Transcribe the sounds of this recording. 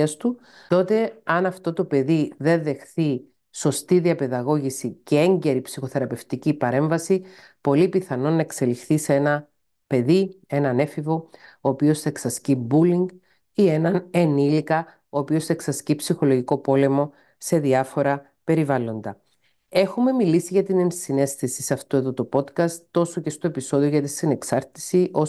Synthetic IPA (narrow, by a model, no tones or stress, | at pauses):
ɐst̪u | t̪o̞t̪e̞ɐnɐft̪o̞t̪o̞pe̞ðiðe̞nðe̞xθi | so̞st̪iðiɐpe̞ðɐɣo̞ʝisice̞e̞ɲɟe̞ɾipsixo̞θe̞ɾɐpe̞ft̪icipɐɾe̞ɱvɐsi | po̞lipiθɐno̞nɐe̞kse̞lixθisee̞nɐ | pe̞ðie̞nɐne̞fivo̞oːpio̞sθɐeksɐscibuliŋɡ | ie̞nɐnenilikɐ | oːpio̞se̞ksɐscipsixo̞lo̞ʝiko̞po̞le̞mo̞ | se̞ðiɐfo̞ɾɐ | pe̞ɾivɐlo̞nd̪ɐ | e̞xume̞milisiʝɐt̪ine̞nsine̞st̪isisɐft̪ue̞ðo̞t̪opo̞t̪kɐst̪ːo̞soce̞st̪o̞episo̞ðio̞ʝɐt̪isine̞ksɐɾt̪i̥sio̞